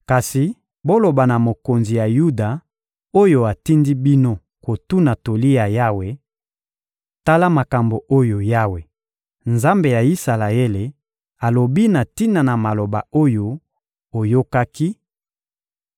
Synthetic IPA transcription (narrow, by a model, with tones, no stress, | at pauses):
ka˨si˨ | bo˦lo˨ba˨na˨mo˨ko˨nzi˨ja˨ju˦da˨ | o˦jo˨a˨ti˦ndi˦bi˦no˦ | ko˨tu˦na˨to˨li˦ja˨ja˦we˨ | ta˦la˦ma˨ka˨mbo˨ʔo˦jo˨ja˦we˨ | nza˦mbe˨ja˨i˦sa˨la˨e˦le˨ | a˨lo˨bi˦na˨ti˦na˨na˨ma˨lo˨ba̰˨o˦jo˦ | o˨jo˦ka˦ki˦